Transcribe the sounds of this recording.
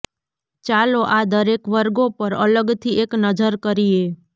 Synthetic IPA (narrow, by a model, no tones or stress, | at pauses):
t͡ʃaloʔad̪əɾekʋəɾɡopəɾə̰ləɡt̪ʰieknəd͡ʒəɾkəɾie